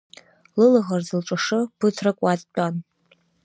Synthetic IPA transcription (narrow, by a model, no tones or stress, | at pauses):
lɨlaʁarzɨlʈ͡ʂʼaʂɨpʰɨtʰrɨkʷʼatʼtʷʼan